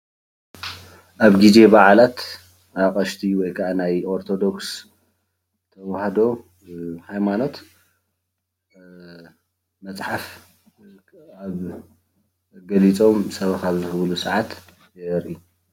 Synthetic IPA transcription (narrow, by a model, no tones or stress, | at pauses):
ʔaβɡize̞baʕlat̪ | aqʼɐʃt̪ʰiwɔjkʰaʔanajʔo̞ɾt̪ʰo̞d̪o̞ks | t̪ʰɐwhad̪o̞ | hajmano̞t̪ | mɐt͡sʼħaf | aβ | ɡɐlit͡sʼo̞msɐβɐkaβzɨxɨβlusɐʕat̪ | jɛɾʔi